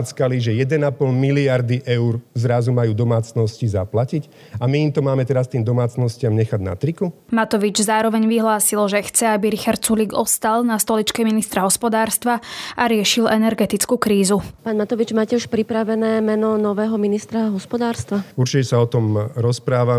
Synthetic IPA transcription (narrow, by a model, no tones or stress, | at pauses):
t͡skaliʒɛjɛd̪ɛnapɔlmiliaɾd̪iʔɛʊɾzɾazumajuːd̪ɔmaːt͡snɔscizaplacic | amiːmt̪ɔmaːmɛt̪ɛɾast̪iːmd̪ɔmaːt͡snɔscɪamɲɛxaɟna̰t̪ɾiku | mat̪ɔʋid͡ʒzaːɾɔʋɛɲʋiɦlaːsilʒɛxt͡sɛabiɾixaɾt̪̚t͡suliɡɔst̪alnast̪ɔlit͡ʃkɛminist̪ɾaɦɔspɔd̪aːɾst̪ʋaaɾɪɛʃilʔɛnɛɾɡɛt̪it͡skuːkɾiːzupaːnmat̪ɔʋid͡ʒmaːcɛuʃpɾipɾaʋɛnɛːmɛnɔnɔʋɛːɦɔminist̪ɾaɦɔspɔd̪aːɾst̪ʋauɾt͡ʃicɛsaɔt̪ɔmɾɔspɾaːʋa